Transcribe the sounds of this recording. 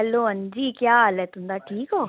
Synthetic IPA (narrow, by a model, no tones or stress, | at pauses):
ɛlːoɐɲd͡ʒiːkjaːɐlːet̪und̪aʈʰiːkoː